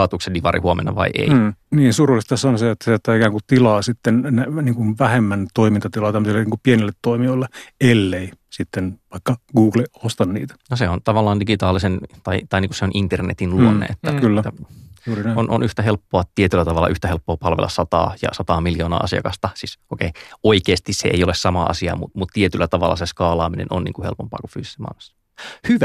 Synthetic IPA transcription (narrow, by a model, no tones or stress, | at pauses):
ɑːt̪uksediʋɑrʔḭhuomḛnːɑʋɑ̰iʔḛiniːnsurulːˑist̪ɑsɑnseet̪ːæseet̪ːæːikæːŋkutt̪ilɑːsit̪ːennæniːŋkunʋæhemːænt̪oimint̪ɑt̪ilɑːt̪æmːøsilːeniːŋkupienilːet̪t̪ːoimioilːeelːeisit̪ːenʋɑikːɑɡuːɡliost̪ɑnnḭːt̪æ̥noseont̪ɑʋɑlːɑːndiɡit̪ɑːlisent̪ɑit̪ɑiniːkuseonʔint̪ernḛt̪inluonnːḛet̪ːækylːætːæuːrinæˑonʔo̰nyht̪æɦelpːoɑt̪iet̪ylːæt̪ɑʋɑlɑʔyht̪æhelpːoɑːpɑlʋḛlːʔɑssɑt̪ɑ̰ːjɑ̰sɑt̪ɑːmiljoːnɑ̰ːʔɑ̰siɑ̰kɑst̪ɑsisʔokeioikeːst̪issḛʔḛiolessɑmɑɑ̰siɑ̰ːmṵt̪mut̪t̪iet̪ylːæt̪ɑʋɑ̰lːɑ̰seskɑːlɑːminḛno̰nnḭːŋkuhelpompɑ̰ːku̥fy̰ːsisːemɑ̰ilmɑ̥sːɑ̥ | hyʋæ